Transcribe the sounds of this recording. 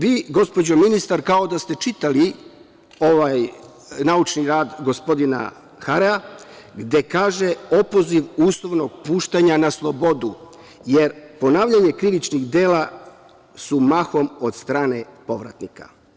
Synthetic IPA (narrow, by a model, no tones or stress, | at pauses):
ʋiːɡo̞spo̞d͡ʑo̞minist̪aɾkao̞d̪ast̪e̞t͡ʃit̪ali | o̞ʋaj | naut͡ʃniɾaːd̪ɡo̞spo̞d̪ina̰ | xaɾea | ɡd̪e̞kaːʒe̞o̞po̞ziʋuːslˠo̞ʋno̞ɡ̥̚puːʃt̪aɲanaslˠo̞bo̞d̪u | jeɾpo̞naːʋʎaɲe̞kɾiʋit͡ʃniɣd̪e̞ːla | sumaxo̞mo̞d̪st̪ɾaːne̞po̞ʋɾa̰t̪nika̰